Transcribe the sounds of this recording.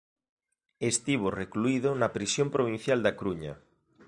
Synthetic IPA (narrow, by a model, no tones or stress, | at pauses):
est̪iβ̞orekluiðʊnɐpɾisjompɾoβ̞in̟θjald̪akɾuɲɐ̰